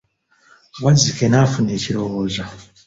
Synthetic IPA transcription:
βazikenafuneciɾowoza

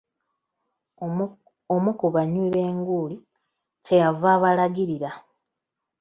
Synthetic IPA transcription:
omukoβaɲiβe̞ːŋɡuːli | te̞javaːβalaɡiɾiɾa

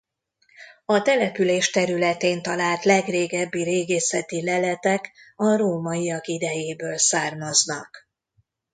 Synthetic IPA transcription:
ɒt̪ɛlɛpyleːʃt̪ɛɾylɛt̪eːnt̪ɒlaːlt̪lɛɡreːɡɛbːiɾeːɡeːsɛt̪ilɛlɛt̪ɛkɒroːmɒijɒkid̪ɛjeːbøːlsaːrmɒznɒk

